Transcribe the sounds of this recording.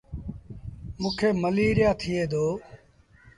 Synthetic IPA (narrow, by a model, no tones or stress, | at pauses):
mũːkʰeːməliːɾɪjaːt̪ʰɪjeːd̪oː